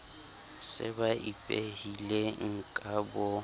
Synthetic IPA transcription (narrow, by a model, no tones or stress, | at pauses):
sɪ̰baʔipʼehileŋ̩kʼabʊ